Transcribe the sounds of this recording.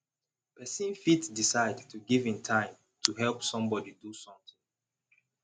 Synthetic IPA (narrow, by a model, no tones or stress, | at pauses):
pɛsĩnfitdisaɪdtʰuɡivĩmtʰãɪ̃m | tʰuhɛlˠpsɔ̃mbɔdidusɔ̃mt̪ĩŋ